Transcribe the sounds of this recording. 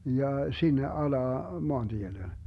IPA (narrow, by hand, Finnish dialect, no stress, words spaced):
jɑ sinːe ɑlɑː moɑnd̥iele